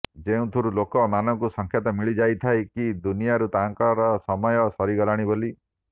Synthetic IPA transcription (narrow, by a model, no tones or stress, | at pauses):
d͡ʒeũt̪ʰuɾulokɔmanɔkusɔŋkʰjɔt̪ɔmiɭid͡ʒajt̪ʰajkid̪unijaɾut̪aŋkɔɾɔsɔmɔjɔsɔɾiɡɔlaɽ̃iboli